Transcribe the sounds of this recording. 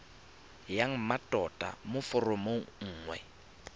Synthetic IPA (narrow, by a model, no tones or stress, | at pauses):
jaŋ̩matʼɔtʼa̰mʊfɔrɔmoŋ̩ːŋwɛ̰